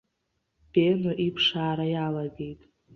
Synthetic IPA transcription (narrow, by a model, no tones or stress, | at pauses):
b̥enoʔipʰʂaːɾajalaɡe̞jtʼ